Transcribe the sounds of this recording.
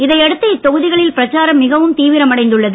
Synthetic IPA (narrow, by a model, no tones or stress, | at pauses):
ɪðɐɪɛɽɯt̪ːɐɪt̪ːɔɣɯðɪɣɐɭɪlpɪɾɐt͡ʃːaːɾɐmːɪɣɐʋɯmt̪iːʋɪɾɐmɐɽɐɪnd̪ɯɭːɐðɯ